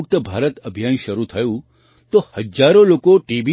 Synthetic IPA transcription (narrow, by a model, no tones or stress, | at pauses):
k̚t̪əbʱaːɾət̪əbʱjaːnʃəɾut̪ʰəjũ | t̪ohəd͡ʒaɾolokoʈibi